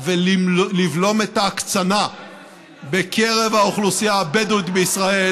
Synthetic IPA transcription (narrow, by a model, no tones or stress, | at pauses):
velivlo̞me̞t̪akt͡sana | bekʰe̞ʁe̞vaoχlusijaːbedut̪beisʁae